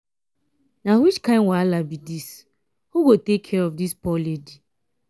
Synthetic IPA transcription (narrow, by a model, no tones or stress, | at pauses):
nawit͡ʃkãɪ̃nwaalabidis | huɡotekʰːɛɹɔfdispɔledi